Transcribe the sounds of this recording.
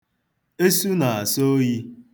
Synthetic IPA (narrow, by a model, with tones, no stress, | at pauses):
e˦su˦na˨a˨so˦ji˦